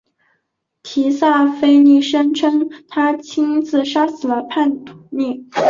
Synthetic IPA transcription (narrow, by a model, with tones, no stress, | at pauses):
t̪ʰi˧˥sa˥˩fe˥ɪni˥˩ʂə˥ŋʈ͡ʂʰə˥ŋt̪ʰa˥t͡ɕʰi˥ŋt͡sɹ̩˥˩ʂa˥sɹ̩˨˩lə˦pʰa˥˩nt̪ʰu̥˨˧˩ni˥˩